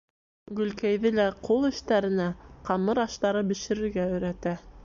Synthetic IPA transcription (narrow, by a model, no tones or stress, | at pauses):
ɡɵ̆lkæjðɘlæqʰolˠɘ̆ʃt̪æɾɘ̆næqɑmɤɾɑʃt̪ɑɾɤbɘ̆ʃɘ̆ɾɘ̆ɾɡæɵ̆jɾæt̪æ